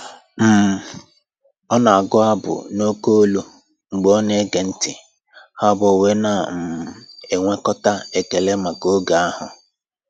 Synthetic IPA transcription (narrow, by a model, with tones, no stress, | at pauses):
m̩˦˨ | ɔ˦na˨a˨ɡʊ˦a˦bʊ̰˨no˦ko˦lo˦ | ŋ͡m̩˨ɡ͡bɔ˦ne˦ɡe˨n̩˦tɪ˨ | ha˦bo˨we˦na˦˨m̩˨e˨ŋʷe˦kɔ˦ta˦e˨ke˨le˦ma˨ɡo˦ɡa˨a˦ɦʊ˨